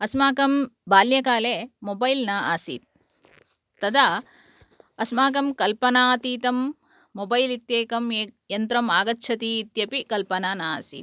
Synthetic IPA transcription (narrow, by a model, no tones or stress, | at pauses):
ɐsmaːkɐmbaːljɐkaːleːmobɐjlnaaːsḭːt̪̚ː | ɐd̪a | ɐsmaːkɐmkɐlpɐnaːt̪iːt̪ɐmː | obɐjlit̪jeːkɐmeːjɐnt̪ɾɐmaːɡɐtːʃʰɐt̪iːt̪jɐpikɐlpɐnaːnaa̰ːsḭːt̪̚